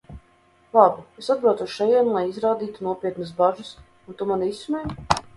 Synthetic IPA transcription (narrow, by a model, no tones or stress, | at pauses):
lˠabiesad̪̚bɾawt̪uʃʃɛjɛːnlˠajizɾaːd̪iːt̪unuɔpʲiɛt̪nus̬baʒɨs | unt̪umanisumɛj